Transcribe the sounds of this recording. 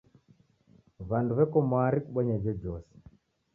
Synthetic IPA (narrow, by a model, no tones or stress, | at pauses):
βanduβɛkɔmwaɾikuɓɔɲad͡ʒɔd͡ʒɔsɛ̥